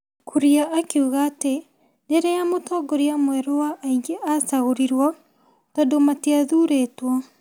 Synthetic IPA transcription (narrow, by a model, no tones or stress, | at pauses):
kʰuɾiaʔːkiuɣaːte | neɾejamotɔɡɔɾiamwɛɾowaʔːiɡeʔasaɣoɾiɾwɔ | tɔdomatiaðuːɾeːtwɔ